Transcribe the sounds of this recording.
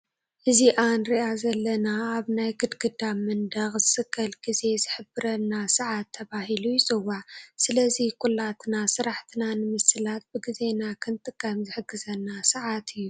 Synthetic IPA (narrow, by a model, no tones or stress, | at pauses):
ʔɨziʔanɾiʔazɐlːɐnaːβnajɡɨd̪ɡɨd̪amɨnd̪ɐxzɨsɨkʰːɐlɡize̞zɨħɨbɨɾɐnːasɨʕat̪ʰːɐβahilujɪsʼɨwːaʕsɨlɐzikʼulːat̪ʰnasɨɾaħt̪ʰinanɨmɨsɨlat̪̚bɨɡize̞nakʰɨnt̪ʼɨkʰʼːamzɨħɨɡɨzɐnːasɨʕat̪ʰɨjːu